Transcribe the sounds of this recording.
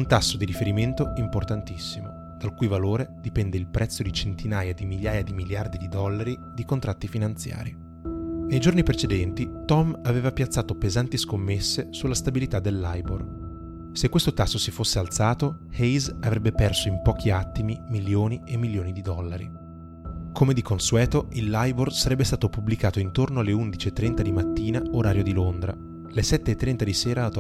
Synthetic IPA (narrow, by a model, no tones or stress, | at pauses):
unt̪asːod̪iɾifeɾiment̪oimport̪ant̪isːimo | d̪̥alkujvaloːɾed̪ipɛnd̪eilpɾʔɛt̪sːod̪it͡ʃent̪inaːjad̪imiljaːjad̪imiljard̪id̪id̪ɔlːaɾi | d̪ikont̪ɾat̪ːifinant̪sja̰ːɾi | nejd͡ʒornipɾet͡ʃed̪ɛnt̪it̪ɔmaveːvapjat̪sːaːt̪opezant̪iskomːesːesulːast̪abilit̪ad̪ːelːajbor | sekwest̪ot̪asːosifosːealt̪saːt̪o | hɛjzavɾɛbːepɛrsoimpɔːk̟ʰiat̪ːimimiljoːniemːilːjoːnid̪id̪ɔlːaɾḭ | kʰomed̪ikonsuɛːt̪oʔilːajborsaɾɛbːest̪aːt̪opublikaːt̪oint̪ornoalːeund̪it͡ʃiet̪ːɾɛnt̪ad̪imat̪ːiːnaoɾaːɾjod̪ilond̪ɾa̰ | lesɛt̪ːeːt̪ːɾɛnt̪ad̪iseːɾat̪